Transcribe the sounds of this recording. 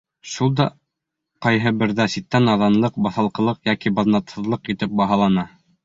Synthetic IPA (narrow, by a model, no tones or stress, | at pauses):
ʃulˠd̪ɑ | qɑjɦɤbɘ̆ɾðæsit̪ːænɑðɑnlˠɤq̚bɑθɑlˠqɤ̆lˠɤqjækibɑðnɑt̪hɤ̆ðlˠɤqit̪ɘp̚bɑɦɑlˠɑnɑ